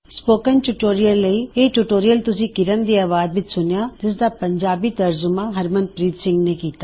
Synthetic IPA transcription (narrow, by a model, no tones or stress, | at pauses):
spoːkənʈʊʈoːɾijəlːəiːeːʈuʈoːɾijəlt̪ʊsĩːkɪɾənd̪iːaːʋaːzʋɪt͡ʃsʊnejaːd͡ʒɪs̬d̪aːpəɲd͡ʒaːbiːt̪əɾzʊmãːɦəɾmə̃nd̪̚pɾiːt̪sɪ̃ŋɡneːkiːt̪aː